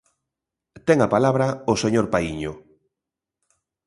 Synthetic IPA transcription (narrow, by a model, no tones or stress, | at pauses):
t̪ɛŋapalaβɾɐoseɲoɾpaiɲʊ